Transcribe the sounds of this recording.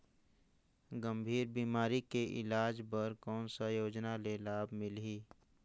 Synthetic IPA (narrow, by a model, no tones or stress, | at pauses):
ɡəmbʱiːɾbiːmaːɾikeʔɪ̰laːd͡ʒbəɾkɔːnsajoːd͡ʒnaleːlaːbmɪliː